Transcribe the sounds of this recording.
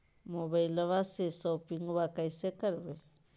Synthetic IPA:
moβajlaβasesowpiŋuβakajsekaɾβe

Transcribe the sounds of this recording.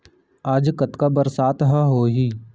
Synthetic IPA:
aːd͡ʒkət̪kabəɾsaːt̪ɦəɦoːɦiː

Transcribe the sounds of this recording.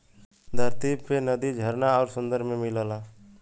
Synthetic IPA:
d̪ʱəɾt̪ibpʰenəd̪id͡ʒʱəɾnaɔːɾsə̃nd̪əɾmemɪləla

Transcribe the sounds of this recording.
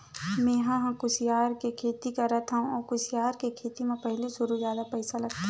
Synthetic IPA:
mẽːɦãɦãkʊsɪjaːɾkekʰeːt̪ikɐɾat̪ʰaũɔːkʊsɪjaːɾkekʰeːt̪imẽpɐɦlisʊɾuzjaːd̪apɛɪsalɐɡt̪a

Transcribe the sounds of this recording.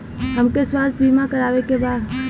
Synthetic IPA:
ɦəmkeswaːst̪̚bʱimãkəɾaːʋekebaːd̪

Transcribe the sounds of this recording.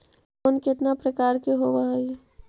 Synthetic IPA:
onkɪt̪napɾəkaːɾkeɦoʋai

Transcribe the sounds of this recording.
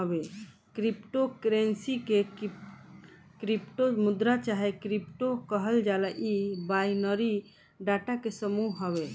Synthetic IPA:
əbe | kɾipʈokɾensike | kɾipʈomʊd̪ɾat͡ʃaɦekɾipʈokəɦəld͡ʒalaʔibainəɾi | ɖaʈakesəmuɦɦəbe

